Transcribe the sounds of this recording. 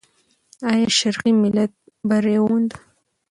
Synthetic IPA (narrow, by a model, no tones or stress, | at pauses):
ɑjɑʃaɾqimɪlat̪̚ | baɾewund̪a